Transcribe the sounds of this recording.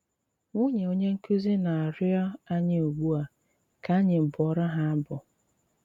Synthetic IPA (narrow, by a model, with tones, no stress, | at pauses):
ŋu˦ɲe˨o˦ɲe˦ŋ̩˦ku˦zi˦na˨a˨ɾɪ˦ɔ˦a˦ɲɪ˦o˨ɡ͡bu˦a˨ | ka˨a˦ɲɪ˨m̩˨bʊ˨ɔ˦ɾa˦ɦa˦a˦bʊ˨